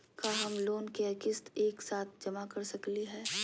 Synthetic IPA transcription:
kaɦɐmloːnkeɐkɪst̪eːksaːt̪̚ʰd͡ʒɐmakɐɾsɐkliɦɛː

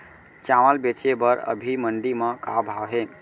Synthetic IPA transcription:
t͡ʃaməlbet͡ʃebəɾə̰bʱiməɳɖiməkabʱawɦe

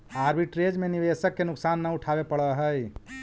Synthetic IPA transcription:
aɾbʱiʈɾed͡ʒmeniʋesəkːenʊksanːəuʈʰabepəɽəɦəj

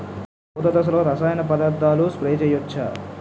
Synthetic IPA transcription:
ut̪ɐt̪ɐs̬ɐloːɾɐsaːjɐnɐpɐd̪ɐɾt̪ːaːluspɾeːt͡ʃɛjot͡ʃːa̰ːɾ

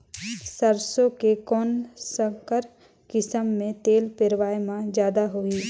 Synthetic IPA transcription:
səɾsõkekɔːnsəkəɾ | kɪsəmːẽt̪eːlpɪɾʋaːjmãzjaːd̪aɦoiː

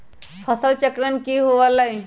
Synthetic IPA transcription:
fʰəsəlt͡ɕəkɾənkiːɦoʋalaj

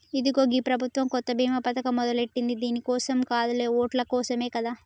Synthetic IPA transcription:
id̪uɡo̞ːɡiːpɾɐbʱut̪ʋɐmkɔt̪ːɐbʱiːmɐpɐt̪ɐkɐmɔd̪ɐleʈːind̪id̪iːnikɔːsɐmkaːd̪ule̞ːoːʈlɐkɔːsɐme̞ːkɐd̪aː

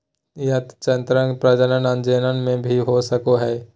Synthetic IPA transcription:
jɐt̪t͡ʃənt̪ɾə̃ŋɡpɾəd͡ʒənənə̃nd͡ʒeːnənmẽbʱiɦosəkoɦɛː

